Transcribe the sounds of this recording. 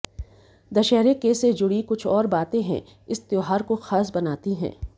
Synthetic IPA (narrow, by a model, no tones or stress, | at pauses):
d̪ɐʃɛɦɾekesed͡ʒʊɽikʊt͡ʃʰɔːɾbaːt̪ẽɦɛ̰̃ | ɪst̪joːɦaːɾkoxaːsbɐnaːt̪iɦɛ̰̃ː